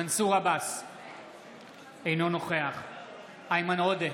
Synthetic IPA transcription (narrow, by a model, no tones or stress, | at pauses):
ansuʁabas | ejno̞no̞χe̞aχ | ajmanode